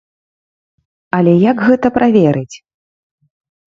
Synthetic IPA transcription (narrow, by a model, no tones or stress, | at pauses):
ɐlʲɛjakɣɛt̪ɐpɾʔavʲɛɾɨt͡sʲ